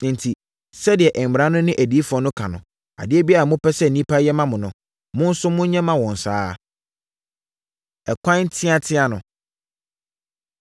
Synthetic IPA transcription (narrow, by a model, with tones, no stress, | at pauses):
nɪ̃˨n˨tʰi˨ | sɛ˦dɪ˨ɛ˨ʔɛ˨m̩˨ɾã˦nʊ̃˦nɪ̃˦ʔæ˨di˨˦fʊ˨ɔ˦nʊ̃˦kʰã˨nʊ̃˨ | a̰˨dɪ˦ɛ˦bi˦a˦a˨mʊ̃˦pɛ˦sɛ˦˨n̩˨nĩ˦pʰa˦jɛ˦mã˦mʊ̃˨nʊ̃˨ | mʊ̃˦n̩˦sʊ˦mʊ̃˦ɲ˦ɲɛ̃˦mã˦wɔ̃˨n̩˨sa̰ː˦ | ɛ˨kʷʰã˦n˦tʰɪ̃˦a˦tʰɪ̃˦a˨nʊ̃˨